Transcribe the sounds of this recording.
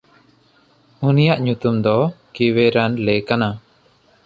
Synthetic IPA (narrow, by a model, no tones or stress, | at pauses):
unijaʔɲut̪umd̪ɔkiweɾanlɛkana